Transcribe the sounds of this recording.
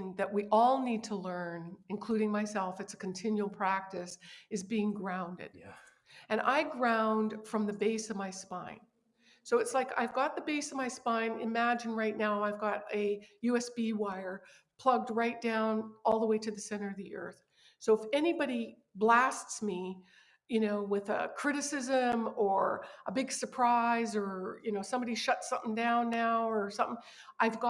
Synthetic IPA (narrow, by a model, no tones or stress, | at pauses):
nðɨʔ̚wiʔɔlˠnid̚tʰəlɜ̃˞nɨ̃nkʰl̥ʉɾɪ̃ŋmaɪsɛlˠfɨtsɨ̥kʰn̩tʰɪ̃njʉl̩ˠpʰɹ̥æk̚tɨsɨzbiɪ̃ŋɡɹãʊ̃ndɨ̰d | ɨ̃ñʔa̰ɪɡɹãʊ̃nd̥fɹʌ̃mðɨbeɪsʌvmaɪspãɪ̃n | soʊɨtslaɪka̰ɪvɡɑt̪̚ðɨbeɪsʌvmaɪspãɪ̃nɨ̰mæd͡ʒɨ̃n̩ɹaɪtⁿnaʊaɪvɡɑɾɨjʉɛsb̥iwaɪə˞ | pʰl̥ʌɡ̚d̚ɹaɪt̚d̥ãʊ̃nɔlˠðəweɪɾɨðɨsɛ̃ɾ̃ə˞ʌvðiʔɜ̰˞θ | soʊəfɛnibɑɾi | blæstsmi | jɨnoʊwɪðə̰kʰɹ̥ɪɾɨsɪzɨ̃mə˞ʔəbɪɡ̥sə˞pʰɹ̥aɪzə˞jɨnoʊsʌ̃mbɑɾiʃʌtsʌ̃mθɪ̃ŋdãʊ̃nːaʊə˞sʌ̃mθɪ̃ŋ | ʔaɪvɡɑ